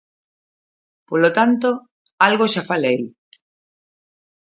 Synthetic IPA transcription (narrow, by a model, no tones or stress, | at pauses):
polot̪ant̪o | alɣoʃafalej